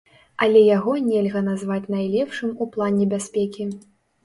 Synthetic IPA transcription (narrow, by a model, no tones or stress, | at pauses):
ɐlʲɛjaɣɔnʲɛlʲɣɐnazvat͡sʲnajlʲɛpʂɨmuplˠanʲɛbʲasʲpʲɛkʲi